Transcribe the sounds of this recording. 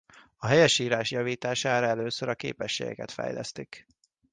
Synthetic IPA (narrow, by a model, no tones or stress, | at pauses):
ɒɦɛjɛʃiːɾaːʃjɒviːt̪aːʃaːɾɒɛløːsøɾɒkḛːpɛʃːeːɡɛ̰kɛt̪fɛ̰jlɛ̰st̪ik